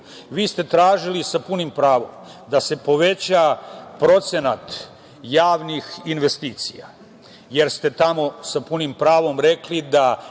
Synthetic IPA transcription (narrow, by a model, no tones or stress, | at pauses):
ʋiːst̪e̞t̪ɾaːʒilisapunimpɾaːʋo̞̰md̪ase̞po̞ʋe̞t͡ɕapɾo̞t̪se̞nat̪ | jaːʋnixinʋe̞st̪iːt̪sija̰ | jeɾst̪e̞t̪amo̞sapunimpɾaːʋo̞mɾeklid̪a